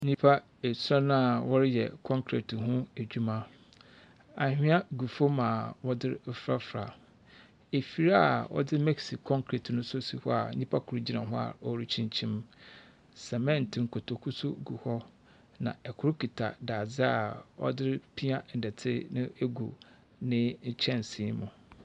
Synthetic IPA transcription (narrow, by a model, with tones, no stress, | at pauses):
ɲĩ˦pʰa˦ | e˨sɾa˦nã˦a˨wɔ˦ɾɪ˦jɛ̰˨kʰɔ̃˦ŋkʰɾḛ˨tɦʊ̃˦e˨d͡ʑᶣu˦mã˦ | a˨hᶣɪ̃˦a˦ɡu˨fo˦mã˨wɔ˦dɪ˦ɾɪ˦fɾa˦fɾa̰˨ | e˨fi˨ɾa˦a˨wɔ̰˦dɪ˦mɛ˦ksi˨kʰɔ̃˦ŋkʰɾe˨tnʊ̃˦sʊ˦si˦hɔ˦a̰˨˦ɲĩ˦pʰa˦kʰʊ˨ɾu˦d͡ʑi˦nã˨ɦʊ̃˦a̰˨ɔ˦ɾi˦t͡ɕʰĩ˦ɲ˦t͡ɕʰĩ˦m | sɛ˨mɛ̃˦˨n̩˨tʰɪ̃˨ŋ̩˨kʰo˨tʰo˨kʰu˦sʊ˦ɡu˨hɔ˦ | nã̰˨ɛ˨kʰʊ˦ɾʊ˦kʰi˨tʰa̰˨da˨d͡zɪ˦a˨ɔ̰˦dɪ˦ɾɪ˦pʰi˦a˦n̩˨dɛ˨tʰɪ̰˦nɪ̃˦e˦ɡṵ˨ | nɪ̃˦ɲ̩˦t͡ɕʰɛ̃˦˨n˨sĩ˨˦mʊ̃˨